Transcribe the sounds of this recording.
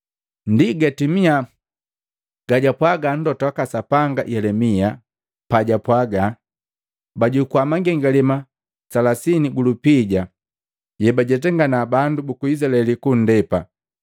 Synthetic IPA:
ndiɡatimia | ɡ̥aɟapwaɡan̩dɔtakasapaŋɡa̰jɛlɛmia | paɟapwaɡa | baɟukuwamaŋɡɛŋɡalima | salasiniɡulupiɟa | jɛbaɟɛt̬ɛŋɡanabandubukuizalɛlikun̩dɛpa̰

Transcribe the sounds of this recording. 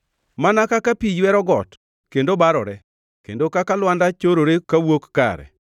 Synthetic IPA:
manakakapijwɛɾɔɡɔt | kendobaɾɔ̰ɾɛ | kḛndokakalwandat͡ʃoɾoɾekawokːa̰ɾɛ̰

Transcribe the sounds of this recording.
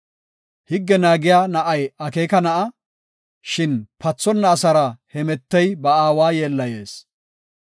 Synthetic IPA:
hɪɡːɛnaːɡɪjaːnɐʔɐjɐkeːkɐnɐʔɐ | ʃɪnpɐt͡sːɔnːɐːsɐɾɐhɛmɛt̪ːɛjbɐaːwaːjeːlːɐje̞ːs

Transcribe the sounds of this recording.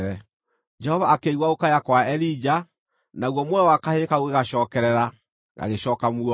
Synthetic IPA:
ɾɛ | d͡ʒɛhɔvaːkeiɣwaokajakwaɛɾid͡ʒa | naɣwɔmwɛwakahekaoɣeɣaʃɔːkɛɾɛɾa | ɣa̰ɣeɕɔːkamuɔ

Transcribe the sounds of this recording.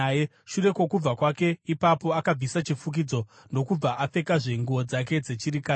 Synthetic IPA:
ʃure̞kwo̞kub͡vakwake̞ipapo̞akab͡visat͡ʃifuk̬id͡zo̞ | no̞kub͡vaʔap͡fe̞kaʐe̞ŋɡuo̞d͡zak̬e̞d͡ze̞t͡ʃiɾikaː

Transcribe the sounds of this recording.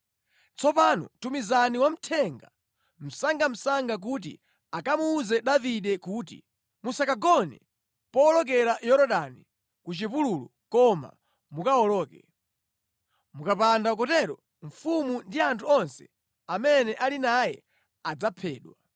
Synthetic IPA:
t͡sɔpanɔ̰tumizaniwam̩tʰɛŋɡa | m̩saŋɡam̩saŋɡak̬ut̬ḭ | akamuːzɛɗaviɗɛkuːt̬ḭ | musakaɡɔnɛ | pɔːlɔk̬ɛɾajɔɾɔɗani | kut͡ʃipululṵkɔma̰ | mukaɔlɔːkɛ | mukapandak̬ɔtɛɾɔ | ɱ̩fumundiantʰuɔnsɛ̥ | amɛnɛʔalinajɛ̰ | ad͡zapʰɛːɗwa

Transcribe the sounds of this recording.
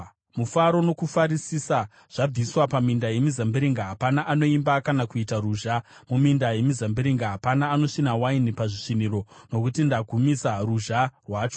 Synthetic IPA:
mufaɾo̞no̞kufaɾisisa | ʐ̥ab͡viswapamindaje̞mizambiɾiŋɡaɦapanaʔano̞imbakanakuitaɾuʒamumindaje̞mizambiɾiŋɡaɦapanaːno̞ʃinawainipaʐiʂiniɾo̞no̞kutindaɡʱumisaruʒarwaːt͡ʃo

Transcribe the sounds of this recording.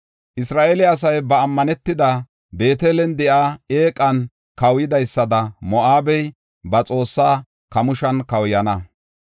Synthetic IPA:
ʔɪsɾaːʔelɪɐs̬ɐjbɐːmːɐnɛt̪ːɪd̪ɐ | be̞ːt̪eːlɛnd̪ɛʔaːeːkʼːɐn | kɐwjɪd̪ɐjsːɐd̪ɐmɔʔaːbɛj | bɐt͡sʼo̞ːsːaː | kɐmʊʃɐnkɐwjɐnɐ

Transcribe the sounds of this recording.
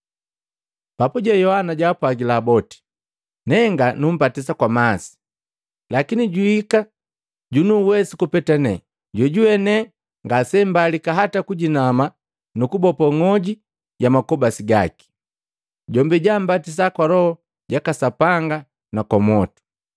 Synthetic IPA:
papuɟɛjɔhanaɟaːpwaɡilaːbɔti̥ | nɛŋɡanum̩patis̬akwamasi̥ | lakiniɟuika | ɟunuwɛsikupɛtanɛ̰ | ɟɔɟuɛnɛ | ŋɡasɛm̩balikaɦatakuɟinama | nukubɔpɔŋɔɟi | ɟamakɔbasiɡa̰ki̥ | ɟɔmbɛɟam̩batis̬akwalɔhɔ | ɟakasapaŋɡa | nakɔmɔtu̥

